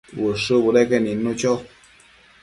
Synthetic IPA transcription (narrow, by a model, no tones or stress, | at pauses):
wəʂəbuɾɛkeninut͡ʃɔ